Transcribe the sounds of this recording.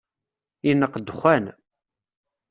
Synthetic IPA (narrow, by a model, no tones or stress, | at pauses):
inːəqːd̪ːxʷæn